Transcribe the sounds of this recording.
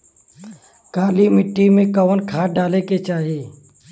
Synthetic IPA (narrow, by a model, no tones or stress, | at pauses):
kaːlimɪʈːimẽkɐʋənkʰaːʈ̚ɖaːleket͡ʃaːɦieː